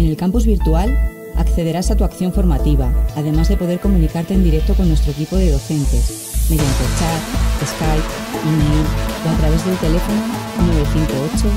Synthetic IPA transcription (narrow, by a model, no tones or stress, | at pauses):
ene̞lkampuzβiɾt̪ual | a̰kθe̞ð̞e̞ɾasat̪uakθjo̞ɱfo̞ɾmat̪iβ̞aaðe̞mazðe̞po̞ðeɾko̞mũnikaɾt̪end̪iɾe̞k̚t̪o̞ko̞nːwe̞st̪ɾoekipo̞ðeoθe̞nt̪e̞s | me̞ðjant̪e̞t͡ʃat̪eskajp | imejloat̪ɾaβe̞zðelt̪e̞le̞fo̞nonweβeθiŋkoot͡ʃo